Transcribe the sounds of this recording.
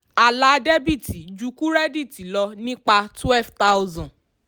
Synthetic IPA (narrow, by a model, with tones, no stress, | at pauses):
a˨la˨˦de˦bi˦˨ti˨d͡ʒu˨˦ku˦ɾɛ˦di˦˨ti˨lɔ˧nĩ˦k͡pa˧twɛ˦lfta˦u˦zɔ̃˨